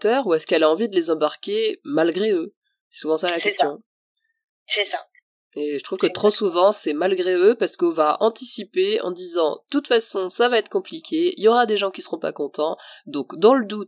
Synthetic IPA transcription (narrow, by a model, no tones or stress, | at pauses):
t̪œʁuɛskɛlaɑ̃vid̪əlezɑ̃baʁkʲemalɡʁeø | sɛ̥suvɑ̃salakɛst̪ʰjɔ̃ | sɛsa | eʒət̪χuvkət̪χosuvɑ̃sɛmalɡʁeøpaʁsə̥kɔ̃vaʔɑ̃t̪isipeɑ̰̃d̪izɑ̃ə̥t̪ut̪fasɔ̃savaɛt̪χə̥kɔ̃plikʲʰeḭljɔʁad̪eʒɑ̃kʲisəʁɔ̃pa̰kɔ̃t̪ɑ̃d̪ɔ̃kd̪ɑ̃ləd̪ut̪